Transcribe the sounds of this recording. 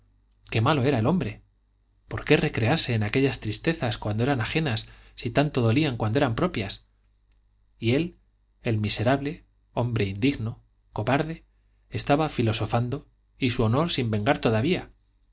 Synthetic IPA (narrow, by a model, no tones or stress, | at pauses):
ke̞malo̞e̞ɾae̞lo̞mbɾe̞ | po̞ɾke̞re̞kɾe̞aɾse̞ːnake̞ʎast̪ɾist̪e̞θaskwand̪o̞eɾanaχe̞nasːit̪ant̪o̞ðo̞liaŋkwand̪oeɾampɾo̞pjas | ie̞l | elmise̞ɾaβle̞ | o̞mbɾe̞ind̪iɣno | ko̞βaɾðe̞ | est̪aβafilo̞so̞fand̪o̞ | isuo̞no̞ɾsimbe̞ŋɡaɾt̪o̞ðaβia